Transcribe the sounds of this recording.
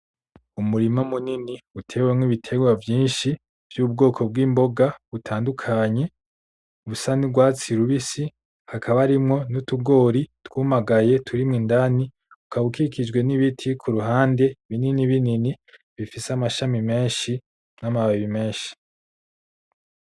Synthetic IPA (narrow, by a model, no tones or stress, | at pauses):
umuɾimamuniniutʰe̞wemŋwiβitʰe̞ɡwavjiːnʃi | v̥juːb̚ɡo̞ːkʰo̞b̚ɡiːmbo̞ɡaβutʰaːndukʰaɲe̞ | uβusanibɡwaːt͡siɾuβisi | hakʰaβaɾimŋo̞nutuɡo̞ːɾitwumaɡaje̞tʰuɾimŋiːndani | ukaβukikid͡ʒɡwe̞niβitʰikʰuɾuɦaːnde̞βininiβinini | βifiseamaʃamime̞ːnʃi | namaβaβime̞ːʃi̥